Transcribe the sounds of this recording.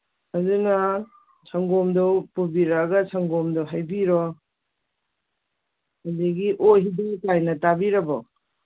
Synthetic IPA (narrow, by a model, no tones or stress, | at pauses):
ɐzunɐ | sʰɐŋɡomdɔwpubiɾaɡɐsʰɐŋɡomdowɦajbiɾɔ | hadeɡiʔoɦidikajnɐtabiɾɐbɔ̰